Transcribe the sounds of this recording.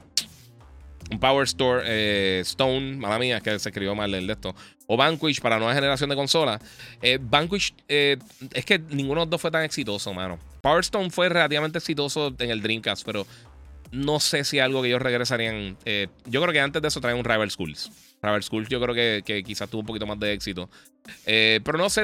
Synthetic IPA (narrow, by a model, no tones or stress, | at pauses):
umpaweɾst̪oɾest̪õwnmalamĩakesekɾiβjo̞malːeeld̪e̞ht̪o | oβaŋkwit͡ʃpaɾanweβaheneɾas̬jond̪eko̞nso̞la | ebaŋkwit͡ʃe | eske̞nĩŋɡunod̪o̞fwe̞t̪aŋeksit̪o̞so̞mã̰no̞̰ | paweɾst̪ownfwe̞re̞lat̪iβament̪eksit̪̬o̞so̞e̞ŋe̞ld̪ɾiŋkaspe̞ɾo̞ | no̞se̞sialɣo̞ke̞ʝo̞sreɣɾes̬aɾiaŋeɟ͡ʝo̞kɾeo̞ke̞ant̪ezdesot̪ɾaiunrajβeɾskṵls | rajβeɾskulsɟ͡ʝo̞kɾeoke̞kekisast̪uβoump̬okit̪o̞mazd̪e̞eksit̪o̞ | epe̞ɾo̞no̞se